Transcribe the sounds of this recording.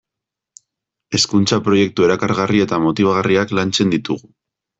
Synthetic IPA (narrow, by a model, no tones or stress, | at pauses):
e̞skunt͡sapɾo̞je̞k̚t̪ue̞ɾakaɾɣarie̞t̪amo̞t̪iβ̞aɣariaklant͡se̞nd̪it̪uɣu